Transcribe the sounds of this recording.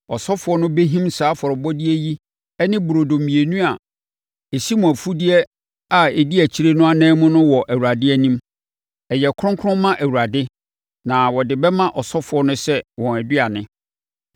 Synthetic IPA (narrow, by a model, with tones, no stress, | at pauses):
ɔ˨sɔ˦fʊ˨ɔ˦nʊ̃˦be˦ɦĩ˦msaː˨˦fɔ˨ɾɔ˨bɔ˦di˦ɛ˦ji˦ | ɛ˦nɪ̃˦bu˨ɾo˨do˨mĩ˨e˨nũ˦a˨ | e˨ɕi˦mʊ̃˨æ˨fu˦di˦ɛ˦ | a˨e˨di˦æ˨t͡ɕʰi˦ɾe˦nʊ̃˦a˨nɛ̃ː˦mʊ̃˦nʊ̃˦wɔ˨ʔæ˨wu˨ɾa˨dɪ˦æ˦nĩ˦m | ɛ˨jɛ˨kʰʊ̃˦ŋkʰʊ̃˦mːã˦ʔæ˨wu˨a˨dɪ˦ | nã˨wɔ˨dɪ˨bɛ˦mã˦ʔɔ˨sɔ˦fʊ˨˦ɔ˦nʊ̃˦sɛ˦wɔ̃˨æ˨di˦a˨nɪ̃˦